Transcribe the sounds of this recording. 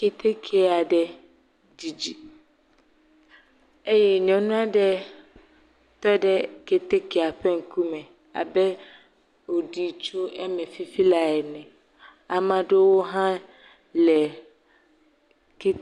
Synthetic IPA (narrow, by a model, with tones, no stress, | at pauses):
ke˨t̪ʰe˦kʰe˨˦a˨ɖɛ˨ | di˨d͡ʑi˨ | e˦jɛ˦˨ɲɔ̃˨nũ˦a˦ɖɛ˦ | t̪ɔ˦dɛ˦ke˨t̪e˦ke˨a˨ɸɛ˦ŋ̩˨kʰu˦mɛ̃˨ | a̰˨bɛ˦ | o˨di˨t͡ʃu˦ɛ˦mɛ̃˨fi˦fi˦la˨ɛ˨nɛ̃˨ | a˨mã˨de˦wo˦ɦã˦ | lɛ˨ | ke˦